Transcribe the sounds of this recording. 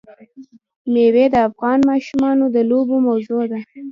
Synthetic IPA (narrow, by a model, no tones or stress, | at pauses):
mewed̪əafɣɑnmɑʃumɑnod̪əlobomawzod̪a